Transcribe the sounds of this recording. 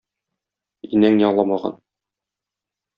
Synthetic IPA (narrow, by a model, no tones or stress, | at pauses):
inæŋjɒɴlˠɑmɑʁɑ̰n